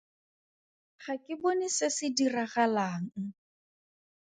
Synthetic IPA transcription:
χakʼɪbonɪsɪsɪdiraɣalaːŋ̩

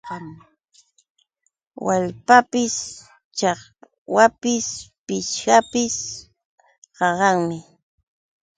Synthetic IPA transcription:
waʎpapɪs | t͡ʃɑχ | wapɪspɪʃkapɪs | qɑɢɑŋmɪ

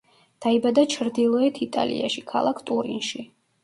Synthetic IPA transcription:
d̪̥aibad̪at͡ʃʰɾd̪ilˠɔɛt̪ʰit̪ʼa̰lḭa̰ʃikʰa̰lˠakʰt̪ʼuɾḭnʃi

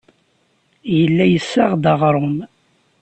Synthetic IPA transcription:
jəlːæjəsːaʁd̪ɑʁɾˤʊm

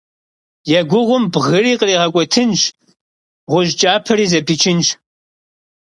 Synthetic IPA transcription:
jɛɡʷʊʁʷʊmbʁɨriːqəriːʁɐkʷʼɔtʰɨnʒ | ʁʷʊʒt͡ʃʼaːpʰɐɾiːzɐpʰit͡ʃʰɪnʒ

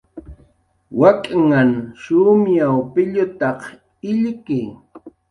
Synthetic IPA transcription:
wakʼŋanʃʊmjawpɪʎʊt̪ɑq | ɪʎkɪj

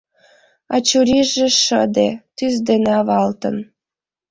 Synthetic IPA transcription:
ɑ̰t͡ɕuɾiʒĕʃəd̪et̪yzd̪eneɑβɑlt̪ə̰̆n

